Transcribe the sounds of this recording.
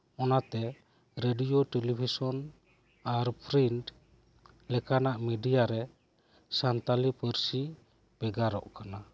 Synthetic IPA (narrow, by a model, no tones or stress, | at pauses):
ɔnat̪ɛ | ɾeɖijɔʈelipʰisɔn | aɾpʰɾinʈ | lɛkanaʔmɛɖijaɾɛ | sant̪alipəɾsi | b̥ɛɡaɾɔ̰ʔkana